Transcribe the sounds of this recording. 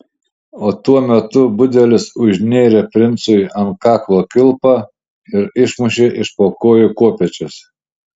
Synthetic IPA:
oːt̪uɔmʲɛt̪ʊbʊd̪ʲɛlʲɪsʊʒʲnʲeːɾʲepʲɾʲɪnt̪sʊjɐnkɑːklˠoːkʲɪlˠpɑ | ɪɾɪʃmʊʃʲeʔɪʃpoːkoːjʊkoɔpʲɛt͡ʃʲʊs

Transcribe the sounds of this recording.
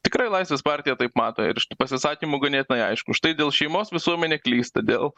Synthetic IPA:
t̪ʲɪkɾɐɪlˠɐɪsʲʋʲeːspɑːɾʲt̪ʲɪjɛt̪ɐɪpmɑːt̪oːɪ̰ɾʃʲɪt̪upɐsʲɪsɑːkʲiːmʊɡɐnʲet̪ʲɪnɐɪɐ̰ɪʃkʊʃt̪ɐɪd̪ʲeːlˠʃʲɛɪmoːsʋʲɪsuɔmʲɛnʲeːklʲiːst̪ɐd̪ʲeːlˠ

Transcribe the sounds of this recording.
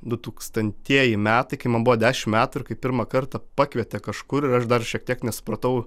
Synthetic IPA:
d̪ʊt̪uːkst̪ɐnʲt̪ʲiɛjɪmʲæːt̪ɐɪkɐɪmɐnbʊʋoːd̪ʲæːʃʲɪmmʲæːt̪uɪɾkɐɪppʲɪɾmɑkɐrt̪ɐpɑːkʋʲiɛt̪ʲɛkɐʃkʊɾɪɾɐʃd̪ɐrʃʲiɛkt̪ʲiɛknʲɛsʊ̥pɾɐt̪ɐʊ

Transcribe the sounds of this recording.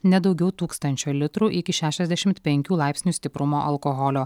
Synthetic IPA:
nʲɛd̪ɒʊɡʲɛʊt̪uːkst̪ɐnʲt͡ʃʲoːlʲɪt̪ɾuːʔɪkʲɪʃʲæːʃʲɛzʲd̪ʲæʃʲɪmt̪pʲɛŋʲkʲuːlˠɑˑɪpʲsʲnʲuːst̪ʲɪpɾʊmoːʔɐlˠkoɣɔlʲoː

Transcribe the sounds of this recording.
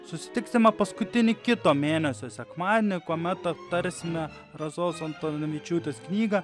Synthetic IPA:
sʊsʲɪ̥t̪ʲɪksʲɪmɐpɐskʊt̪ʲɪnʲɪkʲɪt̪oːmʲeːnʲɛsʲoːsʲɛkmɑːd̪ʲɛnʲɪkoɔmʲɛt̪ɐpt̪ɐɾʲsʲɪmʲɛ | ɾɐzoːsɐnt̪oːʋʲɪt͡ʃʲuːt̪ʲeːsknʲiːɡɐ

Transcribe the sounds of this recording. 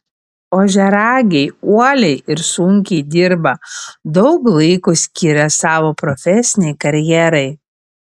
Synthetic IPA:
oːʒʲɛɾɑːɡʲɛɪuɔlʲɛɪɪɾsʊŋʲkʲɛɪd̪ʲɪɾbɐd̪ɒʊklˠɐɪkusʲkʲɪɾʲɛsɑːʋoːpɾɔfʲɛsʲɪnʲɛɪkɐɾʲjɛɾɐɪ

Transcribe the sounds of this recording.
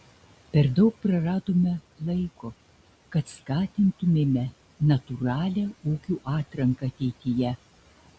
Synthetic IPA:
pʲɛɾd̪ɒʊk̚pɾɐɾɑːd̪oːmʲɛ | lˠɐɪko | kɐt̪skɑːt̪ʲɪnt̪ʊmʲɛmʲɛ | nɐt̪uɾɑːlʲɛuːkʲuːʔɑːt̪ɾɐŋkɐɐt̪ʲɛɪt̪ʲɪjɛ

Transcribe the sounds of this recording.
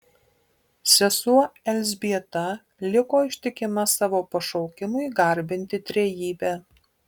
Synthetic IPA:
sʲɛsuɔɛlʲzʲbʲiɛt̪ɐ | lʲɪkoːɪʃʲt̪ʲɪkʲɪmɐsɑːʋoːpɐʃɔʊkʲɪmʊɪɡɐɾʲbʲɪnʲt̪ʲɪt̪ʲɾʲɛjiːbʲæː

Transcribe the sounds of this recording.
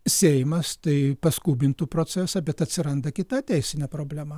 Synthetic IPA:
sʲɛɪmɐst̪ɐɪpɐskuːbʲɪnt̪uːpɾoːt͡s̪ʲæsɐbʲɛt̪ɐtʲsʲɪɾɐnd̪ɐkʲɪt̪ɑːt̪ʲɛɪsʲɪnʲɛːpɾoːbʲlʲæːmɐː

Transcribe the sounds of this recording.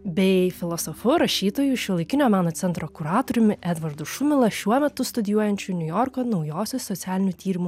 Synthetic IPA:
bʲɛɪfʲɪlˠɔsɔfʊɾɐʃʲiːt̪oːjuʃʲiɔlˠɐɪkʲɪnʲoːmɑːnoːt̪sʲɛnt̪ɾokʊɾɑːt̪oːɾʲʊmʲɪʔɛd̪ʋɐɾd̪ʊʃʊmʲɪlˠɐʃʲuɔmʲɛt̪ʊst̪ʊd̪ʲɪjuɔjɛnʲt͡ʃʲʊnʲʊjɔːɾkoːnɒʊjoːsʲossɔt̪sʲɪæːlʲɪnʲʊt̪ʲiːɾʲɪmʊ

